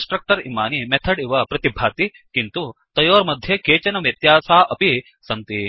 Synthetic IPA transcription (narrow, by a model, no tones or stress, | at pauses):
sʈɾɐk̚ʈɐɾḭmaːnimɛt̪ʰɐɖiʋɐpɾɐt̪ibʱaːt̪i | kint̪ut̪ɐjoːɾmɐd̪ʱjekeːt͡ʃɐnɐʋjɐt̪jaːsaːʔɐpi | sɐnt̪i